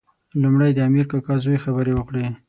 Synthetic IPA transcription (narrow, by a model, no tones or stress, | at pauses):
lumɽajd̪əamiɾkakɑzojexabəɾewəkɽe